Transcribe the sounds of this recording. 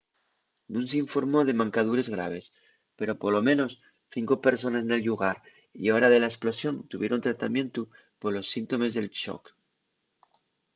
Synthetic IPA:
nũns̬eiɱfo̞ɾmo̞ð̞e̞mãŋkaðuɾe̞zɣɾa̰β̞e̞s | pe̞ɾo̞poɾlo̞mẽ̞no̞s | θiŋko̞pe̞ɾso̞nasne̞lʎuɣaɾ | ḭaoɾaðe̞laesplo̞sjo̞nt̪uβje̞ɾont̪ɾat̪amje̞nt̪u | poɾlo̞sːint̪o̞me̞zðe̞lt͡ʃo̰k

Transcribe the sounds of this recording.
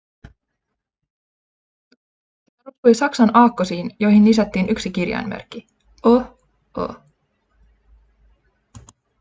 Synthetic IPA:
rukujsɑksɑnɑːkːosiːnjo̞jɦinːisæt̪ːiːnʔyksikirjɑ̰jnmḛrkːi | o | o̰

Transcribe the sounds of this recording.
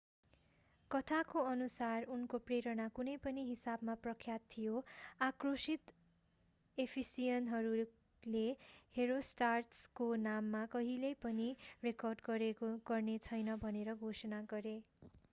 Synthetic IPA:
kʌt̪ʰakoʌnusarunkopreɾʌnakunʌjpʌniɦisabmaprʌkʰːjat̪ʰːijoakrosit̪ | epʰisijʌnɦʌɾu | leheɾosʈarʈskonamːakʌɦilejpʌnirekʌrɖɡʌɾeɡʌrnet͡sʰʌjnʌbʱʌneɾʌɡʱosʌnaɡʌɾe

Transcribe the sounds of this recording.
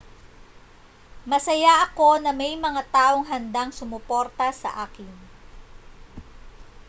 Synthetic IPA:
mɐsɐjaʔɐko̞nɐmɛjmɐŋat̪aːʔo̞ŋɦɐnd̪aŋsʊmʊpo̞ɾt̪ɐsɐ̰ʔaːkɪn

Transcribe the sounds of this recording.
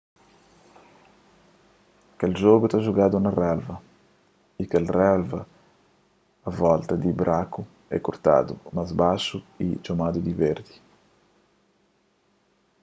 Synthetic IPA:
kald͡ʒɔːɡut̪aʒuɡaːd̪unarɛlva | ikɛlrɛlva | avɔlt̪ad̪ibɾʔaku | ɛ̰kːort̪a̰ːd̪ṵmazbaʃuḭd͡ʒomaːd̪ud̪iveɾd̪i

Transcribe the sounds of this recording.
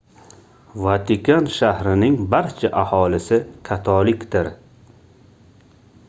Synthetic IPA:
vat̪ʰɪkʰanʃahɾɪnɪŋbaɾt͡ʃʰaʔahɒlɪsɪkʰat̪ʰɒlɪkʲd̪ɪɾ

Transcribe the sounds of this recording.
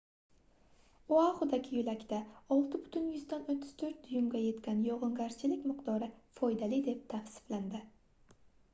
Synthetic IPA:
oaχʊd̪aɡʲɪjʊlakʲt̪aɒlˠt̪ʰɪbʊt̪ʰʊnjʊzd̪anot̪ʰːɪ̥z̥t̪ʰɵɾt̪̚d̪̥ʊjʊmɡʲaje̞t̪kʲanjɒʁɨŋɡaɾt͡ʃʰɪlɪkʲmɪqd̪ɒɾɪfɒjd̪alɪd̪e̞p̚t̪ʰafsɪ̥fland̪ɪ

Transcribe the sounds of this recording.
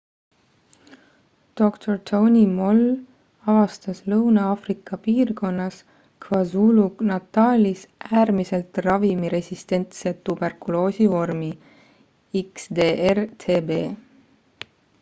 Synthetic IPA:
d̪̥o̞kt̪ʰort̪ʰownʲimo̞l | ɑvɑst̪ɑslɤwnɑɑːfrikːˑɑpiːrko̞nːɑs | kvɑzuːlunɑt̪ːɑːlʲisʔæːrmise̞lt̪rɑvimiɾe̞sʲist̪e̞nt̪se̞t̪ːub̥e̞rkulo̞ːsivo̞rmi | iksd̪e̞ːʔert̪ʰe̞ːbe̞ː

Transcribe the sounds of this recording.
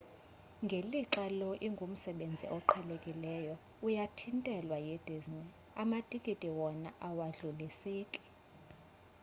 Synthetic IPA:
ŋɡʱeliǁalɔʔiŋɡʱum̩sɛɓend͡zʱḭʔɔǃʰalekʼilɛːjɔ | ujatʰintʼɛlwajed̥ʱiznɛ | amatʼikʼitʼiwɔnaʔawaɮuliseːkʼi̥

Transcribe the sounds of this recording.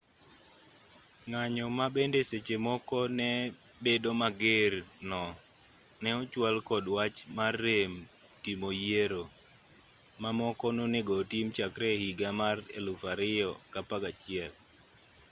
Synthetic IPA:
ŋaɲɔmabendeset͡ʃemɔkɔnɛ | bedomaɡeɾnɔ | nɛɔt͡ʃwalkɔdwat͡ʃmarːem | timojieɾo | mamɔkɔnoneɡɔtimt͡ʃakɾɛhiɡamarḛlufaɾɪɔkapaɡat͡ʃɪɛl

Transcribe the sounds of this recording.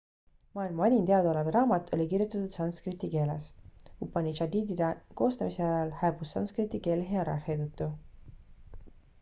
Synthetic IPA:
mɑːilmɑɑnʲint̪eɑd̪oleveɾɑːmɑt̪ːˑo̞lʲikirjut̪ːˑɑt̪ut̪sɑnskrit̪ːike̞ːleshupːɑnʲit͡ʃɑd̪iːd̪id̪eko̞ːst̪ɑmiseæɾɑlhæːb̥usːɑ̰nskrit̪ːˑike̞ːleɦeɑɾɑ̰rhet̪ɤt̪ːu

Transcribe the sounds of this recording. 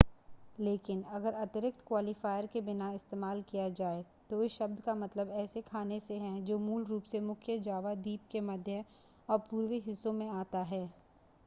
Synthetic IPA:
leːkɪnɐɡəɾɐt̪ɪɾɪk̚t̪kwaːlifaːɪəɾkebɪnaɪst̪eːmaːlkijad͡ʒaːe | t̪oɪʃɐbd̪kamɐt̪ləbɛːsekʰaːneseɦɛ̃d͡ʒoːmuːlɾuːpsemʊkʰjəd͡ʒaːʋad̪iːp̚kemɐd̪ʱjə | ɔːɾpuːɾwiɦɪsːõmẽaːt̪aɦɛː

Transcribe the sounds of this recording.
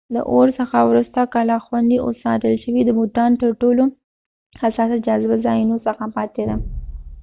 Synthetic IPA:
lə̰ʔoɾsəxawɾust̪akɑlɑxwand̪iʔo̰sɑ̰t̪əlʃəwid̪əmut̪ɑnt̪əɾʈolo | hasɑsad͡ʒɑzɪbazɑjinosəxapɑt̪ed̪a

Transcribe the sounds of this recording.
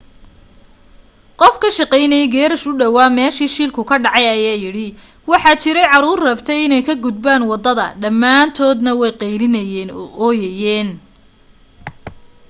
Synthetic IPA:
qɔfkʰɐʃɑqɛjnɛjɡɛːɾɐʃʊɖɐwaːmɛːʃiːʃiːlkʰʊkʰɐɖɑʕɑjɐjaːjɪɽɪ | wɑħɑːt͡ʃɪɾɛjʕɑɾuːrrɐbt̪ʰɛjɪnɛjkʰɐɡʊd̪baːnwɑd̪ɐðɐ̰ɖɐmːaːnt̪ʰɔːd̪nɐwɛjqɛjlɪnɐjɛːʔɔjɛjɛːn

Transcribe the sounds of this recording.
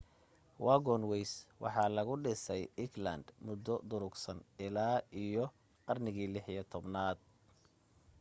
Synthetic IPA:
wʔɑɡɔnwɛjswɑ̰ħɑːlɐɣʊɖɪsɛjɪɡlɐ̰nd̪mʊd̪ːɔd̪ʊɾʊɡsɐnɪlaːʔijɔ | qɑrnɪɣiːlɪħijɐt̪ʰɔbnaːd̪̥̚

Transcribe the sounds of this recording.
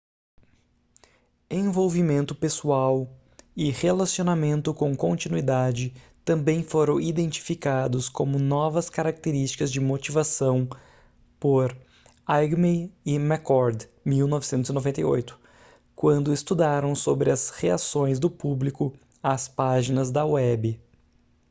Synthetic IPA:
ẽvowvimẽnt̪ʊpesuaw | ɪhelasionamẽnt̪ʊkõkõnt͡ʃinuid̪ad͡ʒɪ | t̪ɐ̃mbẽj̃foɾɐ̃w̃id̪ẽnt͡ʃi̥fikad̪ʊskõmʊnɔvɐskaɾak̚t̪eɾist͡ʃi̥kɐzd͡ʒɪmot͡ʃivasɐ̃w̃ | poɾ | ajɡmeɪmakɔɾd̪miwnɔvɪsẽnt̪ʊzinovẽnt̪ɐ̰jo̰jt̪ʊ̥ | kwɐ̃nd̪ʊɪst̪ud̪aɾɐ̃w̃sobɾɪɐsheasõj̃zd̪ʊpublikʊ | aspaʒinɐzd̪ɐwɛbɪ

